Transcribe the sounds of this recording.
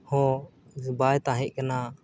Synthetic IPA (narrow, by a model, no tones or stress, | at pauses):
hɔ̃ | bajt̪ãɦɛʔ̚ˀkana